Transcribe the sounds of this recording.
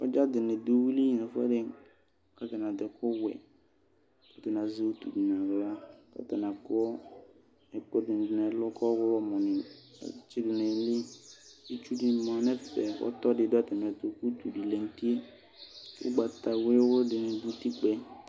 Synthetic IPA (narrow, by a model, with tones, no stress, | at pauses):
ɔ˦d͡ʒa˦dɪ˨nɪ˨du˦wi˦li˦na˨fʊ˦ɛ̰˦dɪ˦ | ka˦˨ta˨na˨dɪ˨kʰʊ˦wɛ̰˨ | ɔ˨tɛ˨na˨ze˦u˦tu˨di˨nã˨ɣla˦dɔ̰˦ta˨na˨kɔ˦ | ɛ˨kʊ˦dɪ˨n˨dɪ˨nɛ˨˦lʊ˦kɔ˦wʊ˦lɔ˨mʊ˨nɪ̰̃˨˦t͡ʃɪ˦dʊ˨nɛ˨lɪ˦i˦t͡ʃu˦di˨˦mã˨nɛ˦fɛ˨ɔ̰˦tɔ˦dɪ˨dɔ˦tɛ˨m˨ɛ˨to˨ku˦tu˨di˨lɛ˨n̩˦ti˦e˦ | kʊ̰˦ɡ͡ba˨ta˨wɪ˦wʊ˦ldɪ˨nɪ˨du˦ti˦k͡pɛ˦